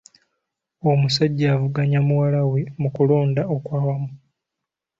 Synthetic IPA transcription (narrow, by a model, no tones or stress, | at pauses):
omusaɟːaːvuɡaɲamuwalawe̞mukulo̞ːndaokwaːwamu